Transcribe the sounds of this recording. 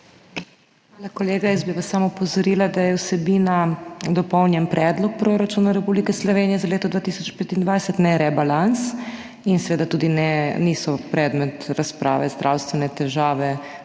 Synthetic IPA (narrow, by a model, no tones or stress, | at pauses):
xʋaːlakoleːɡajɛzbiʋasːamupɔzɔɾilad̪ajɛwsɛbinad̪ɔpɔwnjɛnpɾʔɛd̪lɔk̚pɾoɾat͡ʃunaɾɛpublikɛslɔʋeːnijɛzaleːt̪ɔd̪vʋaːt̪isɔt͡ʃpeːt̪ind̪ʋajsɛt̪nɛɾɛbalans | insɛʋeːd̪at̪uːd̪inɛnisɔpɾɛd̪mɛt̪ɾaspɾʔa̰ːʋɛzd̪ɾʔawst̪ʋɛnɛt̪ɛʒaːʋɛ